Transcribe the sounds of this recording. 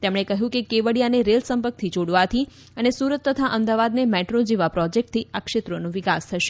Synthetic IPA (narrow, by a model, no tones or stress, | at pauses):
t̪emɽ̃ekəɦjũkekeʋəɽijaneɾelsəmpək̚t̪ʰid͡ʒoɽʋat̪ʰi | ənesuɾət̪ːət̪ʰaʔəmd̪aʋad̪nemɛʈɾod͡ʒeʋapɾɔd͡ʒek̚ʈ̚t̪ʰiakʃet̪ɾonũʋɪkast̪ʰəʃe̥